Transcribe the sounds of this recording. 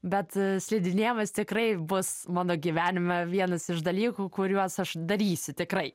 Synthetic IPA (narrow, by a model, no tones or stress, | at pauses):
bʲɛt̪sʲlʲɛd̪ʲɪnʲeːmɐst̪ʲɪkrɐɪbʊsmɑːnoːɡʲiʋʲæːnʲɪmɐʋʲiɛnɐsɪʃd̪ɐlʲiːkuːkʊɾʲuɔsɐʃd̪ɐɾʲiːsʲʊt̪ʲɪkɾɐɪ